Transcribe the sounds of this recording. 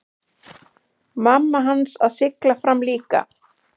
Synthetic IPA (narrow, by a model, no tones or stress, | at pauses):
mamːaɦansaðsɪklafɾamːliːka̰